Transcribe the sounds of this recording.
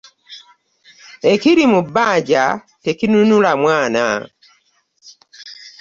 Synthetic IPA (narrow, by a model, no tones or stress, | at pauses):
ekiɾimubaːɟa̰ | tekinunulamwaːna̰